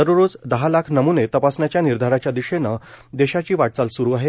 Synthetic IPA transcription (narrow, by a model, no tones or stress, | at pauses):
əɾoɾod͡zd̪əɦalakʰnəmunet̪əpasnjat͡ɕjaniɾd̪ʱaɾat͡ɕjad̪iɕena | d̪eɕat͡ɕiːʋaʈ̚t͡salsuɾuaɦe